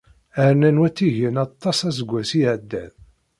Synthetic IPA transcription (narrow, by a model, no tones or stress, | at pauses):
əɾnænwæt͡sːiʝənɑt̪ˤːɑsæzəɡʷːæsijəʕd̪ːæð